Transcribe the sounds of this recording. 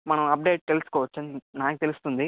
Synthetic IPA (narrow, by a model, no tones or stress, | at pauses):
mɐnɐmɐp̚ɖe̞ːʈ̚kelusu̥kɔːʋɐt͡ʃːɐnd̪inaːkit̪e̞lust̪und̪i